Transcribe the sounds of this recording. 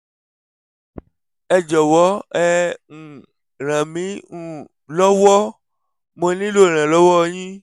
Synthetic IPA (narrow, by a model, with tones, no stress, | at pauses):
ɛ˧d͡ʒɔ˨wɔ˨˦ɛ˦ŋ̩˨ | ɾ̃ã˨mĩ˨˦ŋũ˦˨ | lɔ˦wɔ˦ | mõ˧nĩ˦lo˦˨ɾ̃ã˨lɔ˦wɔ˦˧ɲĩ˦